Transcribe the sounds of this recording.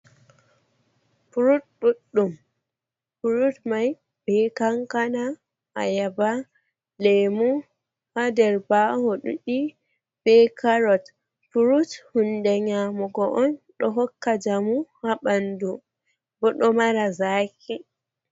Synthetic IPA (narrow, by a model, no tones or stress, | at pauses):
puɾutɗuɗːum | puɾutmaj | b̥ɛkaŋkana | ajaba | lemu | hadɛɾbahɔɗṵɗi | b̥ɛkʰaɾɔt | puɾuthundɛɲamɔɡɔʔɔnɗɔɦɔkːad͡ʒamuhaɓandu | bɔɗɔmaɾazaːkʰi